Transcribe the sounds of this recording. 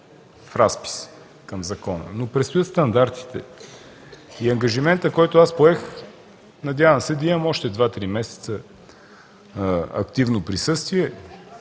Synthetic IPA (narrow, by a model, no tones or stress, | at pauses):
fɾaspi̥s | kəmzɐkɔnə̰nopɾɛt̪st̪ʊjət̪st̪ɐnd̪aɾt̪i̥t̪ɛ | iɐŋɡəʒimɛnt̪əkɔjt̪oaspoɛx | nɐd̪ʲjavəmsɛd̪ɐimɐmɔʃt̪ɛd̪vat̪ɾimɛsɛ̥t̪sə | ɐ̰kt̪ivnopɾisɤst̪viɛ